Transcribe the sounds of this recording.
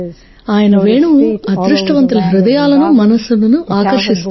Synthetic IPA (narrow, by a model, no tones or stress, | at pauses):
aːjɐnɐʋeːɳuʋuɐd̪ɾuʂʈɐʋɐnt̪ɐlɐɦiɾud̪ɐjaːlɐnumɐnɐsulɐnuʔaːkɐɾʂist̪u